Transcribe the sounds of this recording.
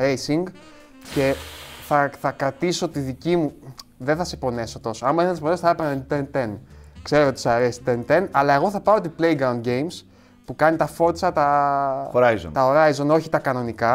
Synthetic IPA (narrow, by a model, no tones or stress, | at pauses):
ɾejsiŋɡ | ce̞θɐθɐkɾɐt̪isoot̪iðicimuðenθɐsepo̞ne̞so̞t̪o̞soɐmuenθɐsponesoθɐepɐnent̪ent̪enkse̞ɾoot̪isɐɾesi̥t̪ent̪enɐlɐe̞ɣo̞θɐpɐɾot̪iple̞jɡɾɐwund̪ɟe̞jms | pukɐnit̪ɐfo̞t̪sɐt̪ɐoɾajzo̰nt̪ɐoɾɐjzo̞no̞çi̥t̪ɐkɐno̞nikɐ